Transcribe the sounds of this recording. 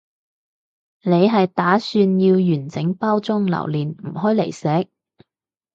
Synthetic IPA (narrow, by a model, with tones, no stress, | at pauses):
ne˨˧jɦɐ˨jt̪aː˨˥syː˧njiː˧wjyː˨˩nt͡sɪ˨˥ŋpaː˥wt͡sʊ˥ŋlɐ̰˨˩wliː˨˩nm̩˨˩ɦɔː˥jle˨˩jsɛː˨˥k̚